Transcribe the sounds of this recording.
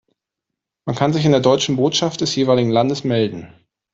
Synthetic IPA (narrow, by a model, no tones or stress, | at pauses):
mankʰanzɪçɪndeːɐdɔʏt͡ʃn̩boːtʃaftd̥ɛsjeːvaːlɪɡŋ̩landəsmɛldn̩